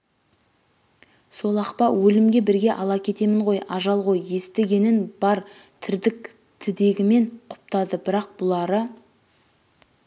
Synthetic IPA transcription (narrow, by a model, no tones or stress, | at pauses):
so̞lˠɑqpɑwɵlɪmɡʲe̞bɪɾɡʲe̞ʔɑlˠɑkʲʰe̞t̪e̞mɪɴʁo̞jɑʒɑlˠʁo̞jːe̞st̪eɡʲe̞nɪnb̥ɑɾt̪ʰɪɾd̪ɪk | t̪ʰɪd̪e̞ɡʲɪme̞ɴqʰʊ̥p̚t̪ɑd̪əbɪɾɑq̚bʊlˠɑɾə